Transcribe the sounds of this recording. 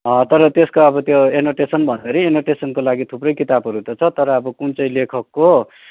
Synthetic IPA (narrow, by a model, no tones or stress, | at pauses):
ʌt̪ʌɾʌt̪eskoʌbʌt̪joenoʈesʌnbʱʌnd̪ʌɾienoʈesʌnkolaɡit̪ʰuprʌjkit̪abʱʌɾut̪ʌt͡sʰʌt̪ʌɾʌːbʌkunt͡sʌj̃lekʰʌkːo